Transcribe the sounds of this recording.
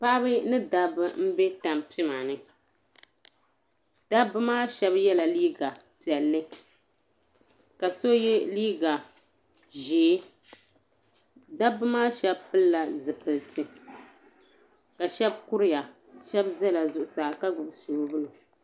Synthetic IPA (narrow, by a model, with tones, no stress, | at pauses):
pa˦bɨ˦nɨ˦da˦bɨ˦m̩˦be˦ta˨mpi˦ma˨nɨ˦ | d̥a˦bːɨ˦maː˦ʃɛ˦bjɛ˦la˨liː˦ɡa˨ | pi˨ɛ˨lːɨ˦ | ka˨so˦jɛ˦liː˦ɡa˨ | ʒeː˨˦ | da˦bːɨ˦maː˦ʃɛ˦bpɨ˦lːa˨zɨ˨pɨ˨ltʰɨ˨ | ka˨ʃɛ˦b̚ku˦ɾɪ˦ja˨ | ʃɛ˦bzɛ˦la˨zʊ˨ʔʊ˨saː˨ka˦ɡʊ˨bsoː˨bɨ˦lo˨